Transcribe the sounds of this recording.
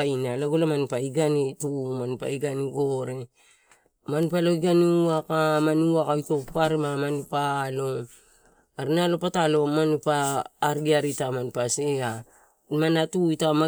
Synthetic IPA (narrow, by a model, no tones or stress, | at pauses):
inalaɡolamanipaiɡanetumanipa̰iɡaniɡoɾe | manpaloiɡaniuakamanuakaitopaɾemamanipalo̞ | aɾinalo̞patalo̞manupaːɾɡiaɾitamanpasea | manatuitama